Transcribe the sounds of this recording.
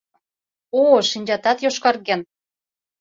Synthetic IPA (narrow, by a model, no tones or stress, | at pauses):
oʃinʲd͡ʑɑt̪ɑt̪joʃkɑrɣen